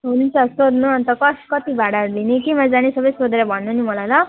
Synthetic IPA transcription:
ɦunint͡sʰʌsod̪nuʌnt̪ʌkʌskʌt̪ibʱaɽaɾulinekemʌd͡zanesʌbʌjsod̪eɾʌbʱʌnːunimʌlajlʌ

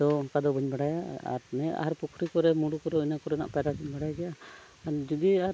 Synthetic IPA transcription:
d̪ɔkad̪ɔbʱiɲbaɽajaa̰ɾnɛa̰ɦaɾpukʰɾikɔɾɛmuɽukɔɾɛinakɔɾɛna̰ʔpɛɾadiɲbaɽajaɡɛjʔa | ɾd͡ʒud̪iaɾ

